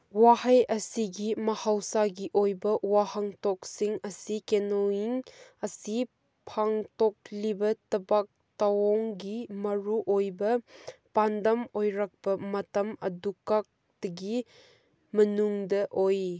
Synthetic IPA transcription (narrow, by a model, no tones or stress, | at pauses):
wahɐjɐsiɡimɐhawsaɡiʔojbɐwahaŋtɔk̚siŋɐsikenoiŋɐsi | pʰaŋtɔk̚libɐtɐbak̚tawɔŋɡimɐɾuʔojbɐpandɐmojɾak̚pɐmɐtɐmɐ̰dukak̚ | d̥ɐɡi | mɐnuŋdɐʔoj